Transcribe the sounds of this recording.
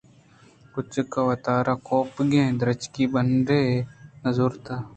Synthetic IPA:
kʊt͡ʃkaːʋɐt̪aːɾaːkoːpɡẽːd̪ɾət͡ʃkiːbənɖeːnəzuːɾt̪aː

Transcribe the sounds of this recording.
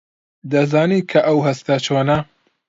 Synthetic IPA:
d̪ɐzaːniːkʰɐʔɐwɦɐst̪at͡ʃʰoːnɐ

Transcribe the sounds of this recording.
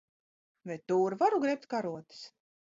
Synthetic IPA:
vɛjt̪ːuːɾvaɾuɡɾɛp̚t̪kaɾuɔt̪ɨ̥s

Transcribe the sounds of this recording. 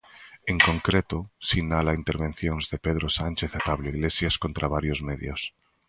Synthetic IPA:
eŋko̞ŋkɾet̪osinalaint̪eɾβẽ̞n̟θjo̞nzðepeð̞ɾosant͡ʃeθat̪aβloiɣle̞sjasko̞nt̪ɾaβaɾjo̞zmeðjos

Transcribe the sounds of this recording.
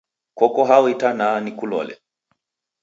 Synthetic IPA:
kɔkɔɦawitananikulɔ̰lɛ̰

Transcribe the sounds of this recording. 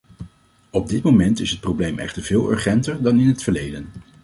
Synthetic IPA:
ɔb̚dɪtmowmɛntɪsɦət̚prowblejmʔɛ̰χtəɹv̥ɪːlˠɵ̰ɹχɛntəɹdɑnɪnɦətfəɹlejdən

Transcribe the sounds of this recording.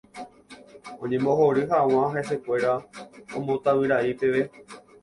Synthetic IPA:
õ̰ɲẽ̞mbo̞ɦoɾɨɦaw̃ãɦese̞kʷe̞ɾaõ̰mõt̪awɨɾaipe̞ʋe̞

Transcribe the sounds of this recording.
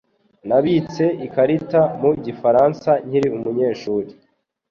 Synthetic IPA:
naβit͡se̞ʔikaɾitamuɟifaɾansaɲ̥hiɾiumuɲe̞ːʃuːɾi

